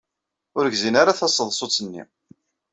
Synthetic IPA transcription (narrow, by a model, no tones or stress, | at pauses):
ʊɾʝzinaɾaθæsˤːəðˤsˤot͡sːənːḭ